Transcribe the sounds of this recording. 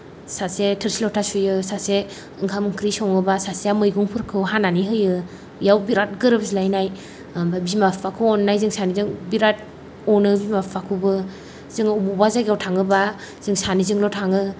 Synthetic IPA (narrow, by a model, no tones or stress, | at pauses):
sasetʰɯɾsilɔtʰasujɯsase | ɯŋkʰamɯŋkʰɾisɔŋɯbasasejamɯjɡuŋpʰɯɾkʰɯwɦananiɦɯjɯ | jawbiɾat̚ɡɯɾɯbsilajnaj | babimappakʰɯɔnːajzɯŋsanizɯŋbiɾat̚ | ɔnɯbimappakʰubɯ | z̥ɯŋububazaɡjawtʰaŋɯba | z̥ɯŋsanizɯŋlɔtʰaŋɯ